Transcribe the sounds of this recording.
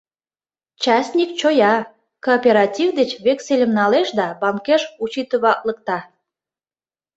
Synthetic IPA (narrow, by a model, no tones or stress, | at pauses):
t͡ɕɑsʲnʲik̚t͡ɕojɑ | koːpʲeɾɑtʲivd̪et͡ɕβekselʲəmnɑleʃd̪ɑbɑmkeʃut͡ɕit̪əβɑklək̚t̪ɑ